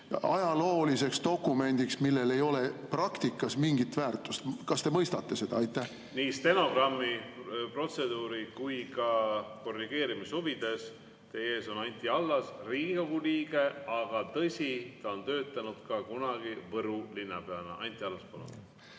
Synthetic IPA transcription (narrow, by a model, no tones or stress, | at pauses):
ɑjɑlo̞ːlise̞kst̪o̞kːˑume̞nʲd̪̥iksmilːe̞le̞jo̞le̞prɑkt̪ikːˑɑsmiŋɡit̪væːrt̪ˑust̪kɑst̪emɤjst̪ɑt̪ːˑe̞se̞d̪ɑɑjt̪ːˑæh | niːst̪e̞no̞ɡ̥rɑmːipro̞t̪se̞d̪uːɾikujkɑko̞rːiɡ̥e̞ːɾimishuvid̪̥e̞s | t̪e̞je̞ːso̞nɑnʲt̪ˑiɑlːɑsriːɡikoɡuliːɡe̞ɑɡ̥ɑt̪ɤsʲit̪ɑo̞nt̪ø̞ːt̪ːˑɑnud̪̥kɑkunɑɡivɤɾulinːɑ̰peɑnɑ̰ʔɑ̰nʲt̪ːˑiɑlːɑspolo̰